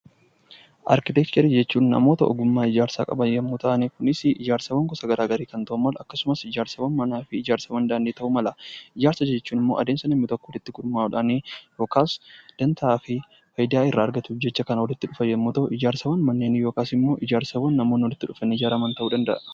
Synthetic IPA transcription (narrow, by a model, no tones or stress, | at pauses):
ʔa̰ɾkɪt̪ɛkt̪ɛɾɪd͡ʒɛt͡ʃːuːnːɐ̰mo̞ːt̪ɐʔɔɡʊmːaːɪd͡ʒaːɾsa̰ːkʼɐ̰bɐjɛmːuːt̪ʰɐʔɐniːkʊnɪsɪd͡ʒaːɾsɐwɐŋkɔsɐɡɐɾaːɡɐɾeːkɐnt̪ɐʔʊmːɐlɐkːɐsʊmɐsɪd͡ʒaːɾsɐwɐnmɐnaːfɪɪd͡ʒaːɾsɐmɐnd̪ɐːnd̪iːt̪ɐʔʊmɐlɐɪd͡ʒaːɾsɐd͡ʒd͡ʒɛt͡ʃːuːnɪmːo̞̰ːʔɐ̰d̪eːnsɐnɐmːɪt̪ɔkːowlɪt̪ːɪɡʊɾmaːʊᶑɐniːjo̞ːkaːsd̪̥ɐnt̪ʰɐʔaːfɪ | fɐjd̪aːɪrːaːɾɡɐt̪uːfd͡ʒɛt͡ʃːɐkɐnɐwɔlɪt̪ːɪᶑʊfɐjɛmːuːt̪ɐʊɪd͡ʒaːɾsɐmɐnmɐnːeːnijo̞ːkaːsɪmːo̞ːʔɪd͡ʒaːɾsɐwɐnːɐmo̞ːnwɔlɪt̪ːɪᶑʊfɐnːɪɪd͡ʒaːɾɐmɐnt̪ɐʔuːdɐnd̪ɐ̰ʔɐ